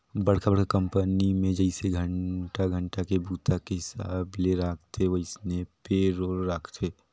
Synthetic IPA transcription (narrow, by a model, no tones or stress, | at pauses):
bəɽ̤kʰabəɽ̤kakə̃mpənimẽd͡ʒəɪseɡʱəɳʈaɡʱəɳʈakebuːt̪ʰakeɦɪsaːbleɾaːkʰt̪ʰeʋəɪsnepeɾoːɾɾaːkʰt̪ʰe